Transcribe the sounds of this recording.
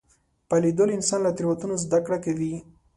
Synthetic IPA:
palid̪olɪnsɑnlat̪ɾwat̪unozd̪akɽakawi

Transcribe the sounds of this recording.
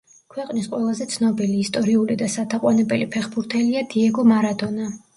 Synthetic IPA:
kʰwɛqʼnisqʼwɛlˠazɛt̪sʰnɔbiliːst̪ʼɔɾiulid̪asat̪ʰaqʼwanɛbɛlipʰɛχbuɾt̪ʰɛliad̪iɛɡɔmaɾad̪ɔna

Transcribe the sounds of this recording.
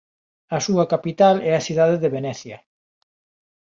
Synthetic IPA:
ɐsuɐkapit̪alɛɐsiðaðeðeβenɛθjɐ

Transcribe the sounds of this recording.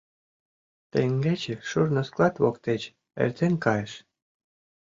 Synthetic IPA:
t̪eŋɡet͡ɕeʃurnosklˠɑt̪βokt̪et͡ɕ | ḛrʲt̪enʲkɑjeʃ

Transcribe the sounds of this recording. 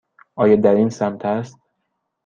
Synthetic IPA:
ɒːjɒːd̪æɾinsæmt̪ʰæst̪̚

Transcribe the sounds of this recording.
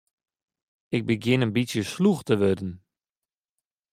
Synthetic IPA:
ɪk̚bəɡjɪnənbisjəsluxtəʋødən̩

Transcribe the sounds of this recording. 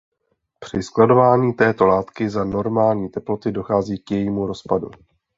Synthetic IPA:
pr̝̥ɪsklado̞vaːɲiːt̪ɛːt̪o̞laːt̪kɪzano̞ɾmaːlɲiːt̪ɛplo̞t̪ɪdo̞xaːziːkjɛjiːmuɾo̞spadṵ

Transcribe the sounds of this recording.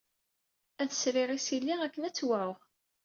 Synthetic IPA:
æθə̥sɾiɾisilːiʁækːənæt͡sːwaɾʊʁ

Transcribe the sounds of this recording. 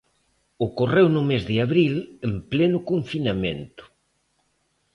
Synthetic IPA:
okorewnʊmezðɪaβɾilemplenʊkoɱfinamḛnt̪ʊ̥

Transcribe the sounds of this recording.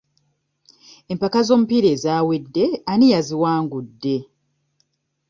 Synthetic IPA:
empakazo̞ːmupiɾe̞ːzaːwedːe̞anijaziwaːŋɡudːe̞

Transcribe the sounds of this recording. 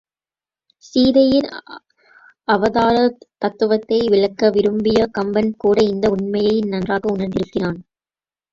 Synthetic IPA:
siːðɐjɪn | ɐʋɐðaːɾɐt̪ɐt̪ːɯʋɐt̪ːɐɪʋɪɭɐkːɐʋɪɾɯmbɪjɐkɐmbɐnkuːɽɐɪnd̪ɐʊɳmɐjɐɪnɐndraːɣɐʊnɐɾnd̪ɪɾɯkːɪnaːn

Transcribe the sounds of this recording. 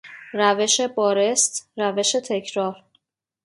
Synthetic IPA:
ræve̞ʃe̞bɒːɾest̪ɾæve̞ʃe̞t̪ʰe̞cʰɾɒːɾ

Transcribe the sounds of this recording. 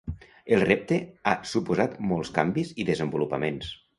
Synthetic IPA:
elˠrep̚t̪easupuzat̪mɔlˠskambiziðəzəmbulupə̰mens

